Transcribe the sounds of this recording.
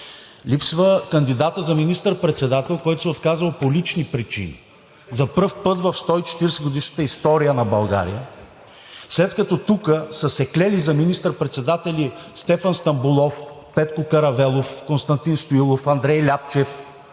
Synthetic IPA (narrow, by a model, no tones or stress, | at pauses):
lʲipsvəkɐnd̪id̪at̪əzɐminist̪əɾpɾɛt̪sɛd̪at̪ɛlˠkɔjt̪ʊ̥sɛot̪kazəlˠpolit͡ʃnipɾit͡ʃḭnḭ | zɐprfpɤt̪vɐfst̪ɔit͡ʃɛ̥t̪iɾsɛɡod̪iʃnə̥t̪əist̪ɔɾijənɐbɐlˠɡa̰ɾḭjə | slɛt̪kɐt̪ɔt̪ukəsəsɛklɛlizɐminist̪əɾpɾɛt̪sɛd̪at̪ɛlist̪ɛfɐnst̪ɐmbulˠɔfpɛt̪kokɐɾɐvɛlˠofkonst̪ɐnt̪inst̪ojulˠofɐnd̪ɾɛjlʲapt͡ʃɛf